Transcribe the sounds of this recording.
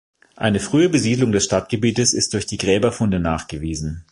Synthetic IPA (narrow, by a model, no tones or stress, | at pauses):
ʔa̰ɪnəfʁ̥yːəbəziːdlʊŋdɛsʃtatɡ̥əbiːtəsɪstd̥ʊɐçd̥iːɡʁɛːbɐfʊndənaːχɡ̥əviːzn̩